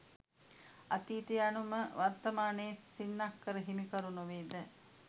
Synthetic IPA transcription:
at̪iːt̪ijanuməʋart̪əmaːnəsːinːakːəɾəɦimikəɾunuʋeːd̪ə

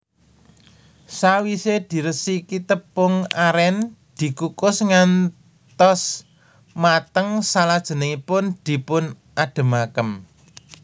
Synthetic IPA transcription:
sawised̪̥i̤ɾəsikit̪əpːʊŋaɾɛnd̪̥i̤kukʊsŋan | t̪ɔs | mat̪əŋsalad̥ʒ̥ə̤nəŋipʊnd̪̥i̤pʊn | ʔaɖ̪̥ə̤makəm

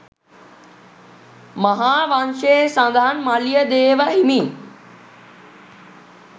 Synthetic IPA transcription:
mɐɦaːʋãːnʃesãnd̪ʱaːənmaːlijəd̪eːʋaɦimiː

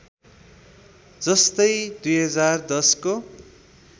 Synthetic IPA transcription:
d͡zʌst̪ʌjd̪ujɦʌd͡zard̪ʌsko

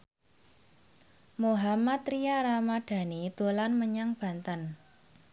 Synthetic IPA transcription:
moɦamat̪ɾijaɾamaɖ̪̥a̤nid̪̥o̤lanməɲaŋb̥a̤nt̪ən

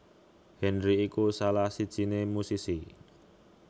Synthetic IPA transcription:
hɛnɾiːkusalahsid̥ʒ̥i̤nemusisi

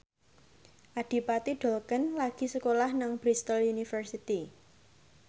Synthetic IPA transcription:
ʔaɖ̥i̤pat̪iɖ̥ɔlkənlaɡ̥i̤səkolahnaŋb̥ɾist̪əlunifərsit̪i

